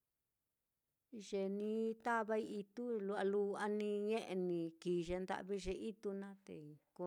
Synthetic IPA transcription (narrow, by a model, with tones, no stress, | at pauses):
ʒe˨nĩ˧t̪a˦βa˦i˦˧i˧t̪u˦lu˧a˧lu˧a˧nĩ˧ɲẽ˦ʔe˧nĩ˧kiː˨ʒe˧nd̪a̰˦ʔβi˦˧ʒe˧ʔi˦t̪u˧nã˦t̪ḛ˨ko˧